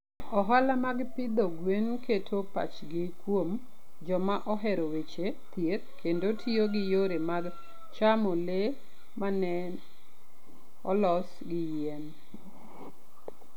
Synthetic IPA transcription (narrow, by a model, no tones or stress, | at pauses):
ɔɦalamaɡpɪd̪ɔɡwenketʰopa̰t͡ʃɡɪkwom | d͡ʒɔmaʔɔɦɛɾowet͡ʃe | t̪jet̪̚kʰendotʰioɡɪjoɾemaɡ | t͡ʃamole | manɛn | ɔlɔs | ɡɪjen